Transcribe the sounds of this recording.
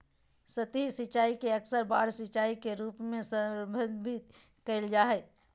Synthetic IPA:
sət̪ɦisit͡ʃaːikeəksəɾbaːɽsit͡ʃaːikeɾuːpmẽsəbʱəd̪bʱit̪ | kəɪld͡ʒaːɦɛ

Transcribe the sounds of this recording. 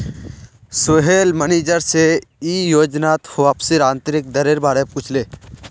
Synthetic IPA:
soɦelməneːd͡ʒəɾseiːjoːd͡ʒnaːt̪hʋaːpsiɾãːnt̪əɾik̚d̪əɾeɾbaːɽepkʊt͡ʃʰleː

